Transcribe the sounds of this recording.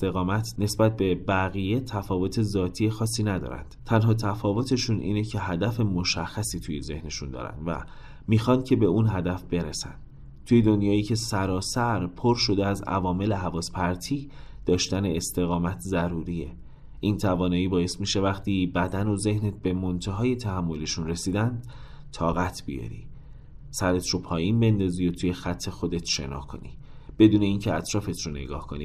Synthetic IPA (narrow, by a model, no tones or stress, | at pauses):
t̪eɣɒːmæt̪ʰne̞sbæt̪̚ʰbe̞bæɣije̞t̪ʰæfɒːvo̞t̪ʰe̞zɒːt̪ʰiːjexɒːsiːnæd̪ɒ̰ːɾæ̰nd̪̥t̪ʰænɦɒːt̪ʰæfɒːvo̞t̪ʰe̞ʃunʔḭːnecʰe̞ɦæd̪æfe̞mo̞ʃæxːæsiːt̪ʰujeze̞̰hne̞ʃund̪ɒ̰ːɾæ̰nd̪væ̰ | miːxɒnd̪̥̚cʰe̞be̞unɦæd̪æfb̥e̞ɾesæ̰nd̪̥ | t̪ʰuːjed̪o̞njɒːiːcʰe̞sæɾɒːsæɾpʰo̞ɾʃo̞d̪eæzæ̰vɒːme̞le̞ɦævɒːspʰæɾt̪ʰiː | d̪̥ɒːʃt̪æneːst̪e̞ɣɒːmæt̪ʰzæɾuːɾie̞ | ʔint̪ʰævɒːnɒːiːbɒːje̞st̪miʃe̞væχt̪ʰiːbæd̪æno̞ze̞hnet̪̚be̞mo̞nt̪ʰeɦɒːje̞t̪ʰæhæmːo̞liʃunre̞siːd̪ænd̪̥ | t̪ʰɒːɣæt̪ʰb̥ijɒ̰ɾḭ | sæɾe̞t̪ʰɾopʰɒːjinbe̞nd̪ɒːziːot̪ʰuːjexæt̪ʰːe̞xo̞d̪e̞t̪ʰʃe̞̰nɒ̰ːhkʰo̞̰nḭ | b̥e̞d̪uːne̞iːncʰeæt̪ʰɾɒːfe̞t̪ʰɾone̞̰ɡɒ̰ːhkʰo̞nḭ